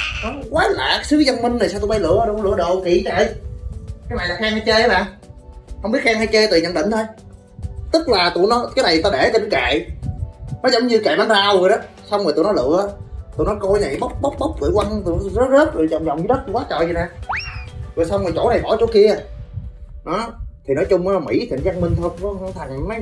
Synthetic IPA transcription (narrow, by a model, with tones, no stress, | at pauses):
nɔ˨˦˧kwaː˨˦la̰ː˧˨˩sɨ˨˦za˧nmï˧ŋ̟na˨˩jsaː˧wt̪ɓa˧jlɨ̰˧˨ə˧ɗo˧˩˧lɨ̰˧˨ə˩ɗo˨˩ki˧˩t͡ɕɛ˧˨j | kaː˨˦jma̰ː˨naː˨˩xaː˧ŋha˧t͡ɕe˧a˧˦maː˨˩˨ | hə˧wŋ͡mɓi˦˥t̚xaː˧ŋha˧jt͡ɕe˧t̪ːɲə̰˨˧˨nɗï˧˨ŋ̟t̪ʰo˧j | t̪ɨ˦˥k̚laː˨˩t̪u˧˨jnɔ˨˦kaː˨˦jna˨˩jt̪aː˧ɗe˧˩t͡ɕɔ˧ɗə˨˦ka̰˧˨j | nɔ˨˦jzə˧˦wŋ͡mɲɨ˧ka̰˧˨jɓaː˨˧˦nzaː˧wzo˨˩jɗɔ˨˦ | sa˧wŋ͡mmː˨˩t̪ṵ˧˨˦nɔ˨˦lɨ̰˧˨əʔt̪ṵ˨˧˨nɔ˨˦kɔ˧jna˨˩jɓə˦˥wk͡p̚ɓə˦˥wk͡p̚ɓə˦˥wk͡p̚kɨ̰˧˨əjwa˧ŋt̪ṵ˧˨zə˦˥zəː˦˥t̚ɗɨ˨˩zɔ˨˩wŋ͡mzɔ˨˩wŋ͡mɲɨ˧˦ɗə˦˥t̚ku˧˦waː˨˦˥t͡ɕɔ̰ː˧˨zi˨˩na˨˩ | vo˨˩jsa˧wŋ͡mmɔː˨˩jt͡ɕo˧˩na˨˩jɓɔ˧˩˦t͡ɕo˧˦ki˧ə˨ | ɗɔ˨˦t̪ʰi˨˩nɔ˨˦jt͡ɕʊ˧ŋ͡maː˨˧˦mḭ˧˩˥t̪ʰi˨˩ŋza˧ŋmï˧ŋ̟t̪ʰo˧kːŋt̪ʰa˨˩ŋma˨˦